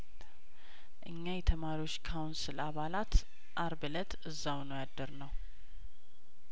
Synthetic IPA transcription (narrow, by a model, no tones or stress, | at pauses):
ʔɨɲːajɛt̪ʰəmaɾiwo̞t͡ʃːkʰawunsɨlaβalat̪ | ʔaɾbɨlət̪ɨzːawnəwjad̪ːəɾnəw